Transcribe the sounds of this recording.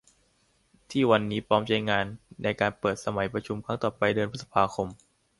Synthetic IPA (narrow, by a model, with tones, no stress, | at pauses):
t̪ʰiː˥˩wa˧nːiː˦˥pʰɔː˦˥mt͡ɕa˧jŋaː˧nːa˧jkaː˧npɤː˨˩t̪̚sa˧ma˩˦jpɾa˧t͡ɕʰu˧mkʰɾa˦˥ŋt̪ɔː˨˩pa˧jdɤː˧npʰɯ˦˥t̪̚sḁ˧pʰaː˧kʰo˧m